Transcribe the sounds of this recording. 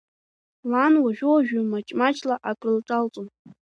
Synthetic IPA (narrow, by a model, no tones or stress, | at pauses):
lanwaʒᶣʊaʒᶣʊmat͡ʃʼmat͡ʃʼlaʔakʼrɨltʼalt͡sʼom